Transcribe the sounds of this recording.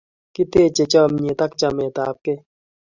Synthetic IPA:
ki˦t̪e˦t͡ʃe˨t͡ʃɔ˦mɲi˨t̪ɐ˦k̚t͡ʃa˨me˨t̪aː˦p̚ke˦

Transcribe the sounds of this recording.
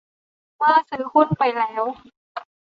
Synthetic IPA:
maː˧˥˩sɯː˨˦kʰu˧˥˨npa˨jlɛː˨˦˥w

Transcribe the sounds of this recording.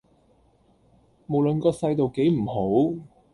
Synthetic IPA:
mo˨˩wlə˨nkɔː˧sɐ˧jt̪o˨wke˨˥jm̩˨˩ho˨˥w

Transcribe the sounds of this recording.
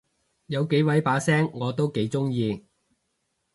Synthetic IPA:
jɐ˨˧wke˨˥jwɐ˨˥jpaː˨˥sɛː˥ŋːɔː˨˧t̪o˥wke˨˥jt͡sʊ˥ŋjiː˧

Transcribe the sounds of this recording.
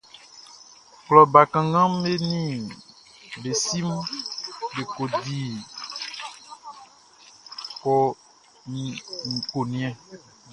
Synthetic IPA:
klɔ˨ba˨kã˨ɡã˦me˦nĩ˦ | be˨si˦m | ɖe˨ko˨di˦ | kɔ˦ | nĩ˨ŋũ˨ko˨nĩ˦ɛ̃˦

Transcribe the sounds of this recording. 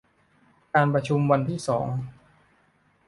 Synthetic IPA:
kaː˧npɾa˧t͡ɕʰu˧mwa˧nt̪ʰiː˥˩sɔ̰ː˩˦ŋ

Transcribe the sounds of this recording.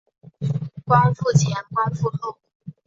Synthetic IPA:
kwa˥nfu˥˩t͡ɕʰjɛ˧˥nkwa˥nfu˥˧xo˥˩ʊ

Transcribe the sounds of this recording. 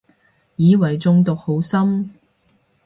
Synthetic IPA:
jiː˨˧wɐ˨˩jt͡sʊ˧ŋt̪ʊ˨k̚ho˨˥wsɐ˥m

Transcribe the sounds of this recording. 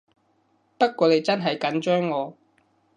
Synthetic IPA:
pɐ˥t̚kʷːɔː˨˧ne˨˧jt͡sɐ˥nɦɐ˨jkɐ˨˥nt͡ʃœː˥ŋːɔː˨˧

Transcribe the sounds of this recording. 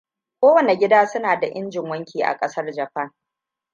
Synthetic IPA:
kʷoː˦wɐ˨ne˨ɡʲɪ˦daː˦sʊ˦naː˨da˨ʔɪ˦nd͡ʒɪ˨ŋwɐ˦ŋkʲʰiː˨ʔa̰˨kʼɐ˦sɐ˦rd͡ʒɐ˨ɸɐ˦ŋ

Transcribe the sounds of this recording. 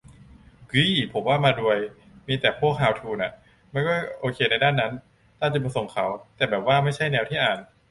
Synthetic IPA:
kɯ˦˥˩pʰo˩˦mwaː˥˩maː˧du˧əj | miː˧t̪ɛː˨˩pʰu˥˩ək̚ʰːaː˧wt̪ʰuː˧nʔa˨˩ | ma˧˥˩nkɔː˥˩jʔoː˧kʰeː˧na˧jdaː˥˩nːa˦˥n | t̪aː˥˩t͡ɕa˨˩bso˨˩ŋkʰa˩˦wt̪ɛː˨˩bɛː˨˩p̚waː˥˩ma˥˩jt͡ɕʰa˥˩jnɛː˧wt̪ʰiː˥˩ʔaː˨˩n

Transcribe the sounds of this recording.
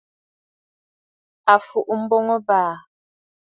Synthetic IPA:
a˨fu˨ʔm̩˦bo˦ŋɔ˦baː˨

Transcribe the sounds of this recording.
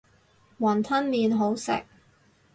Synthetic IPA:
wɐ˨˩nt̪ʰɐ˥nliː˨nɦo˨˥wsɪ̰˨k̚

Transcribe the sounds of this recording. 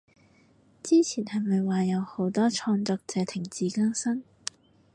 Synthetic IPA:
t͡siː˥t͡sʰiː˨˩nhɐ˨jmɐ˨jwaː˨jɐ˨˧who˨˥wt̪ɔː˥t͡ʃʰɔː˧ŋt͡sɔː˧k̚t͡sɛː˨˧t̪ʰɪ˨˩ŋt͡siː˨˥kɐ˥ŋsɐ˥n

